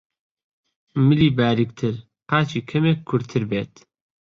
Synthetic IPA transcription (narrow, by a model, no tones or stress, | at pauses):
mɨliːbaːɾik̚t̪ʰɨɾ | qaːt͡ʃiːkʰɐmekʰːuɾt̪ʰɨɾbeːt̪